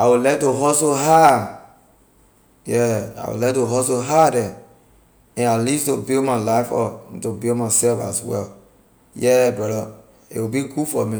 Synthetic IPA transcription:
awilɛtoɦɔsoɦa | jɛa̰wḭlɛtoɦɔsoɦadɛ̃ | ɛ̃nalistobilmalaɪfɔ̰tobilmasɛlfa̰swɛ̰l | jɛbɛɾɔ | ḛwibiɡufɔmi

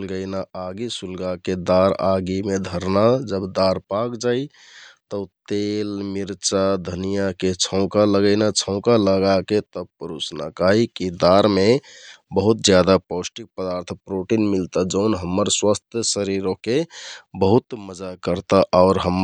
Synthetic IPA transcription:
lɡəɪnaaɡisulɡaked̪aɾaɡimed̪ʱəɾnad͡ʒəbd̪aɾpakd͡ʒai | t̪ət̪elmiɾt͡ʃad̪ʱənijaket͡ʃʰəʊ̃kaləɡəɪnat͡ʃʰəʊkaləɡaket̪əpəɾusna̰kaɦikid̪aɾmebəɦut̪̚d͡ʒjad̪apɔsʈik̚pəd̪aɾt̪ʰpɾoʈinmilt̪ad͡ʒəʊnɦəmːəɾswast̪ʰjəsəɾiɾokebəɦut̪məd͡ʒakəɾt̪aʔaʊɾɦəm

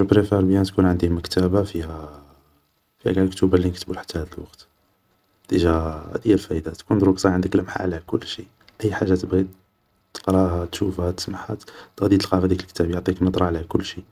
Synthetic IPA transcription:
pɾefæɾˤbjænt̪kunʕənd̪iməkt̪æbafihæ | fihæ̰ɡælkt̪ubalːinəkt̪əbulħḁt̪ːæhæd̪əlwɑqt̪ | d̪iʒæ̰d̪ijːælfæʔd̪at̪kund̪ɾuksˤɑʕənd̪əkləmħa̰ʕlæækʊ̰lːʃḭ | ʔəjːħaʒːat̪əbɣi | t̪ːə̥qɾˤɑɦat̪ʃufhæt̪ə̥smaħæ̰t̪t̪əɣd̪it̪əlqɑfd̪ikəlkt̪æbjʕt̪ˤiknəd̪ˤɾˤɑʕlhækʊlːʃi

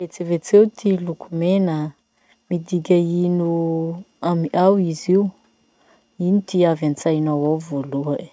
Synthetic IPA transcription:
et͡sevet͡sewt̪ʰilukʰumenə | mid̪iɡʲainu | amiʔawiziu | init̪iavant͡sajnawawvoluə

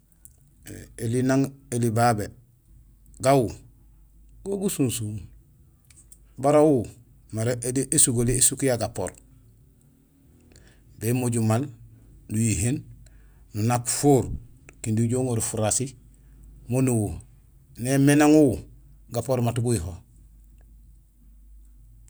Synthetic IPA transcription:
elinaŋelibabe | ɡawu | ɡ̥oɡusunsu | baɾawu | maɾediʔesuɡoliesukjaɡapo̰ɾ | bemoɟumalnujiɦen | nunakfoːɾkindiɟoːŋoɾifuɾasi | monuwu | nemenaŋu | ɡapoɾmatuɡuiɦo

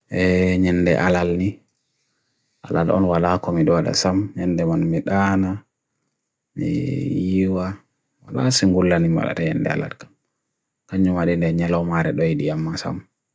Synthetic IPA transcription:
ʔɛɲɛndɛ̰ʔalalni | ʔalalʔɔ̰nwalakɔmiɗɔwaɗa̰samɲɛndɛmanmiɗana | mḭjiwa | walasiŋɡulːanima̰ɗa̰taɲɛndɛ̰a̰la̰lkḁm | kaɲːumaɗindɛɲɛlɔmaɾɛɗɔjiɗiamːasa̰m

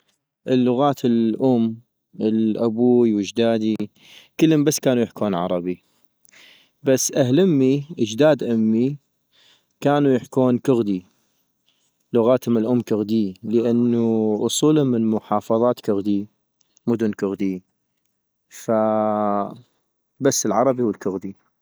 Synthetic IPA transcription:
ʔəlːʊɣaːt̪ʰɪlʔʊm | ɪlʔabuːiwɪd͡ʒd̪aːd̪i | kəlːəmbasːkaːnujɪħkuːnʕɑ̰ɾˤɑbi | basːʔahlɪmːiʔəd͡ʒd̪aːd̪ʔʊmːi | kaːnujɪħkuːnkʊɣd̪i | lʊɣaːt̪hʊmɪlʔʊmːkʊɣd̪iːləʔanːuʔʊsˤuːlʊmɪnmʊħɑːfɑðˤɑːt̪kʊɣd̪i | mʊd̪ʊnkʊɣd̪i | fa | basːəlʕɑɾˤɑbihwəlkʊɣd̪i

